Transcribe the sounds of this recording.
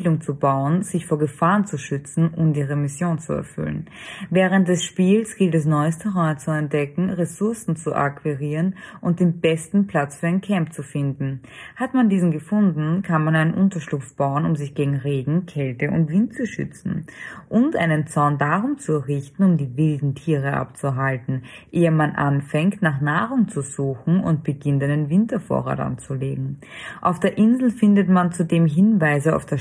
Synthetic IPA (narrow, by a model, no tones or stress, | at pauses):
lʊŋt͡subaʊənz̥ɪçfoːɐɡəfaːɐnt͡suʃʏt͡sn̩ʔʊmdiːʁemɪsjoːnt͡suɛ̰ɐfʏ̰lnvɛːʁənt̚d̥ɛsʃpiːlsɡ̥ɪltɛs̬nɔʏəstʰɛʁɔt͡suɛnt̚d̥ɛkŋ̩ʁesʊɐsn̩t͡suʔa̰kv̥iʁiːʁənʔʊnt̚d̥eːnb̥ɛstn̩pʰl̥at͡sfyːɐaɪnkʰɛmp̚t͡sufɪndn̩ | hatmandiːzn̩ɡəfʊndn̩kʰanmanaɪnənʔʊntɐʃlʊpfb̥aʊənʊmzɪçɡ̥eːɡŋ̩ʁeːɡŋ̩kʰɛltəʔʊ̰ntv̥ɪntt͡suʃʏ̰t͡sn̩ʔʊntʔa̰ɪnənt͡sɔɐndaʁʊmt͡suʁɪçtn̩ʊmdiːvɪldn̩tʰiːʁəʔa̰pt͡suɦaltn̩ʔeːəmanʔa̰nfɛŋktnaːχnaːʁʊŋt͡suzuːxn̩ʊ̰nt̚b̥əɡɪntæɪnenvɪntɐfo̰ːɐʁa̰ːta̰nt͡suleːɡŋ̩ | ʔa̰ʊfd̥eːɐʔɪnzl̩fɪndətmant͡sudeːmɦɪnvaɪzəa̰ʊfd̥eɐ